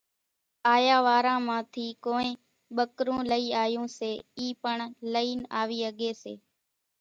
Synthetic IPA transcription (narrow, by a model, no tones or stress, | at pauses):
aːjaːʋaːɾãːmãːt̪ʰiːkoːẽː | ɓəkɾũːləiːaːjõːseːiːpəɳləiːna̰ːʋiːəɠeːsḛː